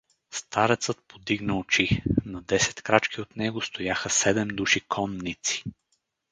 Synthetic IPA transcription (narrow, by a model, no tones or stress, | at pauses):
st̪aɾɛt̪sət̪̚pod̪iɡnəot͡ʃinɐd̪ɛsɛ̥t̪kɾat͡ʃkiot̪nɛɡost̪ojaxəsɛd̪ɛmd̪uʃikʰɔnːit̪si̥